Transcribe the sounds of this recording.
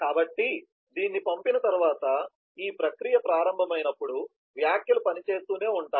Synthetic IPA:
kaːbɐʈːi | d̪iːnːipɐmpinɐt̪ɐɾuʋaːt̪ɐ | iːpɾɐkɾijɐpɾaːɾɐmbʱɐmɐjnɐpːuɽu | ʋjaːkjɐlupɐnit͡ʃe̞ːst̪uːne̞ːuɳʈaː

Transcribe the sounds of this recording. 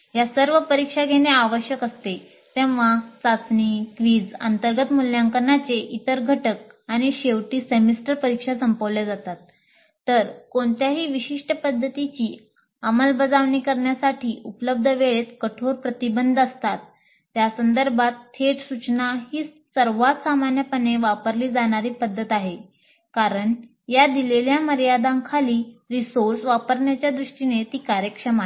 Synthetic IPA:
ɦjasəɾʋəpəɾikʂaɡʱeɽ̃eaʋəɕjəkəst̪e | t̪ẽʋʋat͡sat͡sniːkʋiːd͡zə̰nt̪əɾɡət̪muljaŋkəɾɳat͡seʔit̪əɾɡʱəʈək̚aɽ̃iɕeʋʈiːsemisʈəɾpəɾikʂasəmpəʋljad͡zat̪at̪ː | əɾkoɳt̪jaɦiːʋiɕiʂʈəpəd̪ʱːət̪it͡ɕiː | əməlbəd͡zaʋɳiːkəɾɳjasaʈʰiːʔupələb̚d̪ʱəʋeɭet̪kəʈʰoɾpɾət̪ibənd̪ʱəst̪at̪̚ː | jasənd̪əɾbat̪ʰːeʈsut͡ɕnaɦiː | səɾʋat̪samanjəpəneʋapəɾliːd͡zaɽ̃aɾiːpəd̪ʱːət̪aɦe | kaɾəɳ | jad̪ileljaməɾjad̪ãŋkʰaliːɾisoɾsʋapəɾɳjat͡ɕjad̪ɾuʂʈinet̪iːkaɾjəkʂəma

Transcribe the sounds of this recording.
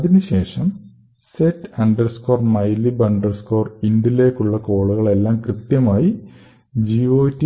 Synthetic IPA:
ɐðinɨɕe̞ːʂɐm | seʈːɐɳɖɐrsko̞ːrmɐjlibɐɳɖɐrsko̞ːrindile̞ːkːuɭːɐko̞ːɭuɣɐɭe̞lːaːmkrɨt̪jɐmaːji | d͡ʑio̞ːtːi

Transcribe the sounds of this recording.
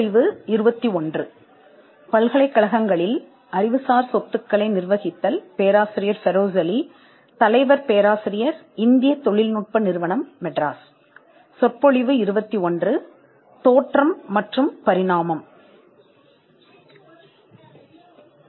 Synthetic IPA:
ɪʋɯɪɾɯbɐt̪ːiɔndrɯ | pɐlɣɐɭɐɪkːɐɭɐɣɐŋɡɐɭɪl | ɐɾɪʋɯsaːɾsɔt̪ːɯkːɐɭɐɪnɪɾʋɐɣɪt̪ːɐlpeːɾaːsɪɾɪjɐɾfɛɾoːsɐli | t̪ɐlɐɪʋɐɾpeːɾaːsɪɾɪjɐɾ | ɪnd̪ɪjɐt̪ɔɭɪlnuʈ̚pɐnɪɾɯʋɐɳɐmːɛʈɾaːs | sɔʈ̚pːɔɭɪʋɯɪɾɯbɐt̪ːiɔndrɯ | t̪oːʈrɐmːɐʈrɯmpɐɾɪɻaːmɐm

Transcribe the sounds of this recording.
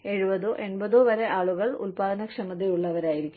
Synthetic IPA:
e̞ɻubɐðuʔe̞nbɐðoːʋɐɾeʔaːɭuɣɐɭṵlpaːd̪ɐnɐkʂɐmɐd̪ijuɭːɐʋɐɾaːjiɾikʲːum

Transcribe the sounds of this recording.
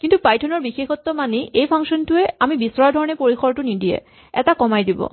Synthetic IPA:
kintupajtʰɔnɔɹbixexɔt̪ːɔmaneʔejpʰaŋʃɔntuɛamibisɹɔaɹdʱɔɹɔnepoɹixɔɹtunidiɛ̰ | ɛtakɔmajdibɔ̰

